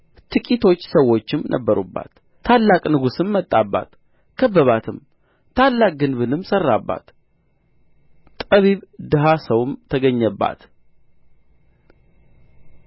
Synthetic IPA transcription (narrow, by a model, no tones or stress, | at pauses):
t̪ʰɨkʼit̪ʰo̞t͡ʃːsəwːo̞t͡ʃːɪmnʔə̰bːəɾṵbːa̰t̪ʰː | alːakʼnɨɡusɨmːət̪ʼːabːa̰t̪ | kʰəbːəβat̪ʰɨm | t̪ʰalːakʼɡɨnβɨnɨmsərːabːa̰t̪ | t̪ʼəβiβd̪ɨɦasəwmt̪ʰəɡəɲːəbːa̰t̪